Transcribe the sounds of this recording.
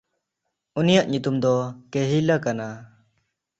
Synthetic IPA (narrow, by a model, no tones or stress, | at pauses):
unijaʔɲut̪umd̪ɔkeɦilakana